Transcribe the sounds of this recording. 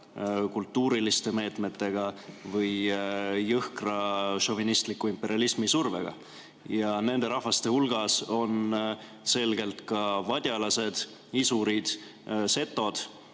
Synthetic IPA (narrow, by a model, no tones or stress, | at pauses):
kult̪ːuːɾilist̪e̞me̞ːt̪ˑme̞t̪ːe̞ɡ̥ɑvɤjː | ɤhkrɑʃo̞vinist̪likːˑuimpe̞ɾʲiɑlismisurve̞̰ɡ̥ɑ̰ | jɑne̞nd̪e̞ɾɑhvɑst̪e̞hulɡ̥ɑso̞n | se̞lɡ̥e̞lt̪kɑvɑd̪̥ʲjɑlɑse̞d̪̥ | isuɾid̪̥ | se̞t̪ːˑo̞d̪̥